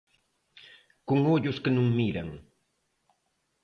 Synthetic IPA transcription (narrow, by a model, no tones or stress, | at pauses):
kʊŋoʎʊskanʊŋmiɾa̰ŋ